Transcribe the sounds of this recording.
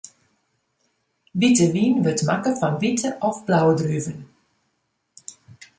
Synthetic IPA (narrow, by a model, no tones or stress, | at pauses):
vɪtəʋiːnʋɪtmakəfɔnvɪtəʔafb̥lawdryːvən